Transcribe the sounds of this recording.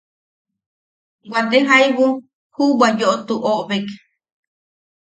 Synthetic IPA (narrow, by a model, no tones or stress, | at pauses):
wʷad̪eɦaiβu | huwajoʔot̪uʔoʔoβek